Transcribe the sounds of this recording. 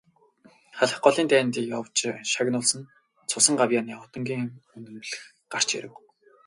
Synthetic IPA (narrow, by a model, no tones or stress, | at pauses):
χaɮə̆χɢɔɮiːnt̪æːnt̪iːjɔwt͡ɕʃaɣnʊːɮsə̆n | t͡sʰʊsə̆ŋɢawjaːniːʊt̪ɞ̆ŋɡʲiːŋɵnt̪ɵ̆mɮɘ̆x | ɢar̥t͡ɕḛɾɘ̆w